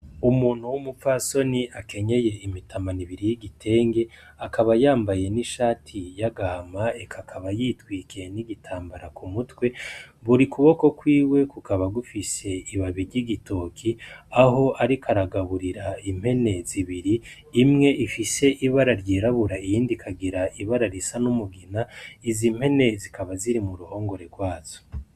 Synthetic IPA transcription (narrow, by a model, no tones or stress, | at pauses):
umuːn̥huwumupfaso̞niakʰe̞ɲe̞je̞imitʰamaniβiɾijiɡitʰe̞ːŋɡe̞ | akaβajaːmbaje̞niʃaːtʰijaɡamaekʰakʰaβajiːtwiːkeniɡitʰaːmbaɾakʰumutwe̞βuɾikuβo̞ko̞kwiːwe̞kukaβaɡufise̞iβaβiɾɟiɡito̞kʰiaɦo̞ʔaɾikʰaɾaɡaβuɾiɾaim̥he̞ne̞ziβiɾiː | mŋe̞ʔifise̞ʔiβaɾaɾɟiɾaβuɾaijiːndikʰaɡiɾaʔiβaɾaɾisanumuɡinaizim̥he̞ne̞zikaβaziɾimuɾuho̞ːŋɡo̞ɾe̞ɾɡwaːz̥o̥